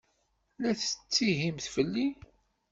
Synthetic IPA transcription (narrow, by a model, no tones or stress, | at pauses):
læθət͡sːiɦimθfəlːi